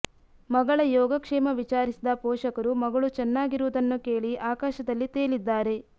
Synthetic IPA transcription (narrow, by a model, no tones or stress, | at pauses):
mɐɡɐɭɐjɔːɡɐkʂɛːmɐʋit͡ʃaːɾisid̪ɐpɔːʃɐkɐɾumɐɡɐɭut͡ʃɛnːaːɡiɾuʋud̪ɐnːuke̞ːɭiʔaːkaːʃɐd̪ɐlːit̪eːɭid̪ːaːɾe̞